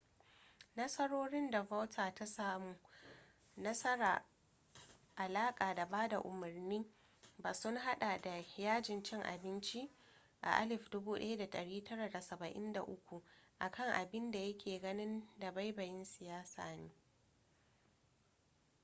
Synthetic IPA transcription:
nɐ˦sɐ˦ɽoː˦ɽɪ˦nda˨ba˦wtʰaː˨ta˦saː˦muː˨ | nɐ˦sɐ˦ɾa̰ː˨ | ʔa˨laː˦kʼaː˨da˨baː˦da̰˨ʔʊ˨mʊ˨rniː˦ | baː˨sʊ˦ŋɦa˦ɗa˨da˨jaː˦d͡ʒɪ˨nt͡ʃɪ˦ŋʔa̰˨bɪ˦nt͡ʃi˦ | ʔa̰˨ʔa˦lɪ˨ɸdʊ˦buː˦ɗɐ̰˦ja˦da˨tɐ˨ɽiː˦tʰɐ˦ɾa˨da˨sɐ˨bɐ˨ʔɪ˦nda̰˨ʔʊ˦kʷu˨ʔa˨kʰɐ˦˨ŋʔa˨bɪ˦nda˨jɐ˦kʲʰeː˨ɡɐ˦nɪ˦nda˨ba˦jbɐ˨jɪ˦nsɪ˨jaː˦sa̰ː˨neː˦

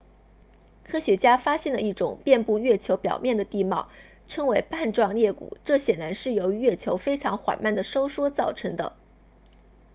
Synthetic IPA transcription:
kʰɤ˥ɕɥɛ˧˥t͡ɕja˥fa˥ɕjɛ˥˩nd̪ə˩i˥˩ʈ͡ʂʊ˨˩˦ŋpjɛ˥˧npu˥˧ɥɛ˥˩t͡ɕʰjo˧˥ʊpjɑ˨˩ʊmjɛ˥˩nd̪ə˩t̪i˥˧mɑ˥˩ʊ | ʈ͡ʂʰɤ˥ŋwe˧˥ɪpa˥˧nʈ͡ʂwɑ˥˧ŋljɛ˥˩kṵ˨˩˦ʈ͡ʂɤ˥˩ɕjɛ˨˩nla˧˥nʂɻ̩˥˩jo˧˥ʊy˧˥ɥɛ˥˩t͡ɕʰjo˧˥ʊfe˥ɪʈ͡ʂʰɑ˧˥ŋxwa̰˨˩nma˥˩nd̪ə˩ʂo˥ʊʂwɔ˥t͡sɑ˥˩ʊʈ͡ʂʰɤ˧˥ŋd̪ə̰˧

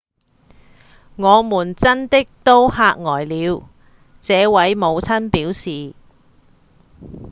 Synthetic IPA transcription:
ŋɔː˨˧muː˨˩nt͡sɐ˥nt̪ɪ˥k̚t̪o˥whaː˧k̚ŋɔː˨˩jliː˨˧w | t͡sɛː˨˧wɐ˨˥jmo˨˧wt͡sʰɐ˥npiː˨˥wsiː˨

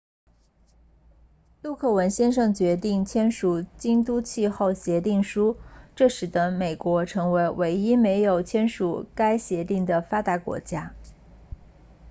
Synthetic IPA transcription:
lu˥˧kʰɤ˥˩wə˧˥nɕjɛ˥nʂɤ˥˩ŋt͡ɕɥɛ˧˥t̪̬i˥˩ŋt͡ɕʰjɛ˥nʂu˨˩t͡ɕi˥ŋt̪u˥t͡ɕʰi˥˧xo˥˩ʊɕjɛ˧˥t̪i˥˩ŋʂu˥ʈ͡ʂɤ˥˩ʂɻ̩˨˩d̪ə˦me˨˩ɪkwɔ˧˥ʈ͡ʂʰɤ˧˥ŋwe˧˥ɪwe˧˥ɪi˥me˧˥ɪjo˨˩ʊt͡ɕʰjɛ˥nʂu˨˩ka˥ɪɕjɛ˧˥t̪i˥˩ŋd̪ə˩fa˥t̪a˧˥kwɔ̰˧˥t͡ɕja˥

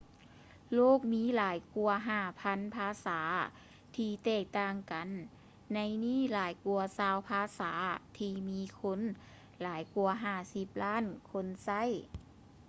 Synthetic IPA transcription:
loː˧˥˩k̚miː˧˥˨laː˨˦jku˧ɐɦaː˧˩pʰa˧˥npʰaː˧˥saː˩˦ | t̪ʰiː˧t̪ɛː˧˩k̚t̪aː˧˩ŋka˨nː | a˧˥jniː˥˩˨laː˨˦jku˧ɐsaː˧˩wpʰaː˧˥saː˩˦t̪ʰiː˧miː˧˥kʰo˧˥n | laː˩˦jku˧ɐɦaː˧˩si˧˦p̚laː˧˥˨nkʰo˧˥nsa˧˥˩j

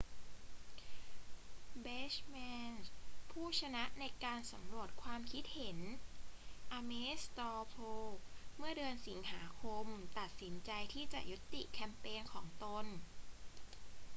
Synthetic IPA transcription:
beː˦˥t͡ɕmɛː˧npʰuː˥˩t͡ɕʰa˧na˦˥ʔna˧jkaː˧nsa˩˦mɾu˨˩ət̪̚kʰwaː˧mkʰi˦˥t̪̚he˩˦n | ʔaː˧meː˦˥st̪ɔː˧pʰoː˧kmɯ˥˩ɐdɯː˧ənsi˩˦ŋhaː˩˦kʰo˧mt̪a˨˩t̪̚si˩˦nt͡ɕa˧jt̪ʰiː˥˩t͡ɕa̰˨˩ju˦˥t̪ːḭ˨˩kʰɛ˧mpeː˧nkʰɔː˩˦ŋt̪o˧n

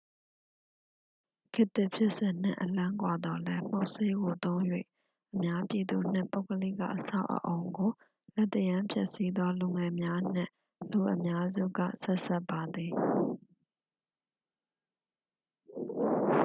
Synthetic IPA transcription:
kʰɪ˦t̪ɪ˦ʔpʰjɪ˦ʔsɪ̃˨n̥ɪ̰̃˦˨ʔəlã˦ŋkwa˨d̪ɔ˨lɛ˦m̥o˦ʊʔse˦ɡo˨t̪õ˦ʊ̃jwḛ˦˨ | ʔəmja˦pji˨d̪u˨n̥ɪ̰̃˦˨po˦ʊkəlḭ˦˨ka̰˦˨ʔəsa̰˦˨ʊʔə̰˨ʔo˨ʊ̃ŋɡo˨ | lɛ˦t̪ːəjã˦mpʰjɛ˦˨ʔsi˦d̪wɔ˦lu˨ŋɛ˨mja˦n̥ɪ̰̃˦˨ | lu˨ʔəmja˦zṵ˦˨ɡä̰˦˨sɛ˦ʔsɛ˦ʔpːa˨d̪ði˨

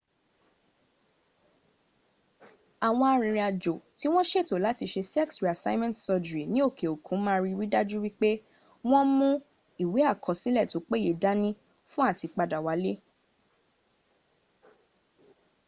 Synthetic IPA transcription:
a˨w̃ɔ̃˧a˧ɾ̃ĩ˧˨ɾ̃ĩ˧a˨d͡ʒo˨ti˦w̃ɔ̃˦ʃe˦˨to˨˦la˨˦ti˧ʃe˧sɛ˦ksɾi˨a˨sa˦i˦mɛ̃˦ntsɔ˧dɾi˨nĩ˦o˦˨kʰe˨o˨kʰũ˨˦mãː˦˧ɾi˦wi˦da˦d͡ʒu˦wi˦k͡pe˦ | w̃ɔ̃˦mũ˦ | i˦˨we˨˦a˦˨kʰɔ˨sĩ˨˦lɛ˦˨to˨˦k͡pe˦˨e˧˨da˦nĩ˦ | fũ˦a˦˨ti˨˧k͡pa˧da˨wa˨˦le˦

